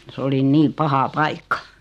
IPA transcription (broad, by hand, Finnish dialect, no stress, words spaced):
s oli niː pɑhɑ pɑikːɑ